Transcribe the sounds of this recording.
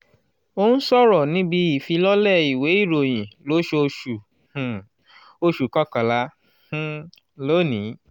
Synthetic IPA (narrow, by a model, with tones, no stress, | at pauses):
o˦nũ˦sɔ˦˨ɾɔ˨nĩ˦bi˧i˨fi˧lɔ˦lɛ˦˨i˨we˨˦i˦˨ɾo˨j̃ĩ˨lo˨˦ʃe˧o˧ʃũ˨ | o˧ʃu˨kɔ˦ka˨lã˧˨ | lo˦˨nĩ˨˦